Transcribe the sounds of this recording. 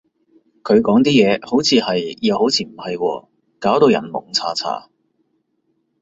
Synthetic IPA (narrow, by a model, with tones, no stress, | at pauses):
kʰɵ˨˧ɥkɔː˨˥ŋt̪iː˥jɛː˨˧ho˨˥wt͡sʰiː˨˧hɐ˨jjɐ˨who˨˥wt͡sʰiː˧m̩˨˩hɐ˨jkɔ̰ː˧ | kaː˨˥wt̪o˧wjɐ̰˨˩nmʊ̰˨˩ŋt͡sʰa̰ː˧t͡sʰa̰ː˧˩